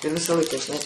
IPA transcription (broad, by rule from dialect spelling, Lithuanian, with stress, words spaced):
ɪr ˈʋʲɪsɐ ˈlˠɐɪkɐ ʒʲɪˈnɐɪ